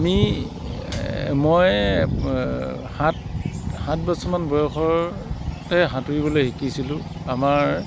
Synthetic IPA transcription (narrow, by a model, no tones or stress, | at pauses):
ami | mɔj | hathatbasɔmanbɔjɔxɔɹtɛɦãtuɹibɔlojxikisilʊ̃amaɹ